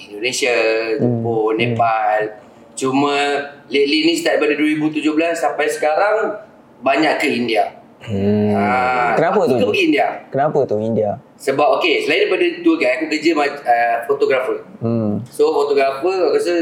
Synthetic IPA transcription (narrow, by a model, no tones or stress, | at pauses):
indonesad͡ʒuponepal | t͡ʃumãlet̪̚linĩsit̪aʔdajpadaduəɾibut̪ud͡ʒʊhbəlasːampajsə̥kaɾaŋ | baɲaʔkəindia | akənapət̪okkindiakənapət̪ʊindia | səbap̚okesəlajidajpadat̪uəɡajakukəd͡ʒəmaəfot̪oɡɾafə | sofot̪oɡɾafəakas̬ə